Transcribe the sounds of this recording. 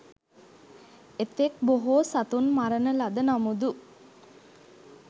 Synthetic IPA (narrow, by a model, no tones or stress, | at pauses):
et̪ːek̚boɦoːsat̪unmaɾənəlad̪ənamud̪u